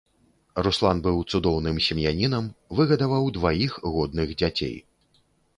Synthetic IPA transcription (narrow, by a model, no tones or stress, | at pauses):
ruslˠanbɨwt̪sud̪ɔwnɨmsʲimjanʲinɐmvɨɣɐd̪avawd̪vajixɣɔd̪nɨɣd͡zʲat͡sʲḛj